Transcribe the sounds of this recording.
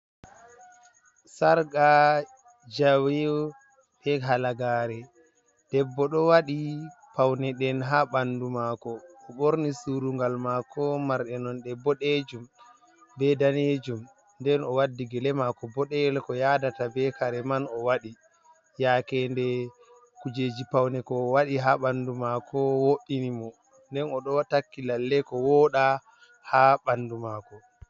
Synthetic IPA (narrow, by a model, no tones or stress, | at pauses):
saɾɡa | d͡ʒawɛɔ | ɓɛɦalaɡaːɾɛ | d̥ɛbːɔɗɔwaɗipawnɛɗɛnɦaɓandumakɔɔɓoɾnisuɾuŋɡalmakʰɔmaɾɗɛnɔnɗɛbɔɗed͡ʒum | bɛdaned͡ʒum | ndɛnɔwadːiɡɛlɛmakɔbɔɗɛɛlkɔjadatabɛkaɾɛmanɔwaɗi | jakɛndɛ | kud͡ʒeːd͡ʒipawnɛkɔwaɗiɦaɓandumakʰɔwoʔinimɔ | ndɛnɔɗɔtakːilalːɛkɔwɔɗa | haɓandumakɔ